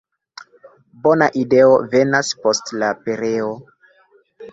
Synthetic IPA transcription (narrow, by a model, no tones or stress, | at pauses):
bo̞naʔide̞o̞ve̞naspo̞stlape̞ɾe̞o̞